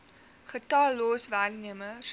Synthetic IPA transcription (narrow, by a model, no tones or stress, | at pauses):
χətɑːloːsværniəmə